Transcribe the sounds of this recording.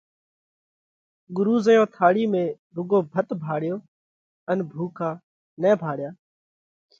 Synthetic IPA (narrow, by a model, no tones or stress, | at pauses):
ɠʊɾuːzəjõːt̪ʰaːɽiːmẽː | ɾʊɡoːbʱət̪bʱaːɽɪjoː | ənbʱuːkʰaː | nɛ̃ːbʱaːɽjaː